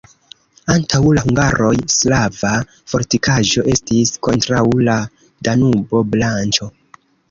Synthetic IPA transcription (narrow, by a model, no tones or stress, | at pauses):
antʰawlahuŋɡaɾʔo̞jslava | fo̞ɾtikʰaʒo̞ʔe̞stisko̞ntɾawla | danubo̞blant͡ʃo̞